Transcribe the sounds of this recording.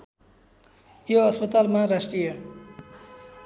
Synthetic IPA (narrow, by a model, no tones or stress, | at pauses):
joʌspʌt̪almaɾasʈrijʌ